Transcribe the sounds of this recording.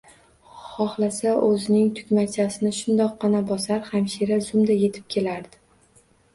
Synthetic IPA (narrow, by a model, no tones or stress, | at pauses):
χɒχlasaʔɵzɪnɪŋt̪ʰʊ̥kʲmat͡ʃʰasɪnɪʃʊnd̪ɒqːɑnabɒsaɾhamʃiɾazʊmd̪aje̞t̪ʰɪ̥p̚kʲʰe̞laɾd̪ɪ